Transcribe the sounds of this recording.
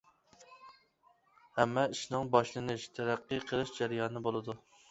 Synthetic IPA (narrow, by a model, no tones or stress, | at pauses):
hɛmːɛiʃnɨŋbɑʃlˠɨnɪʃt̪ʰæɾæqːɨqʰəlˠɨʃd͡ʒæɾjɑːnɨbolˠɨd̪u